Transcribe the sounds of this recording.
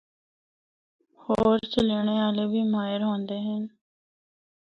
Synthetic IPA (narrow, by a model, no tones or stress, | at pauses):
hoːɾt͡ʃəleːɳ̃eːaːleːbʱiːmaːjəɾɦõːnd̪eːɦɛn